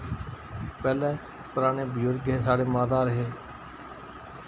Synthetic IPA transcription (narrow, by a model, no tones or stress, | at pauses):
pɛːlɛː | pʊɾaːneːbəjʊɾɡeːsaːɽeːmaːd̪aːɾəɦeː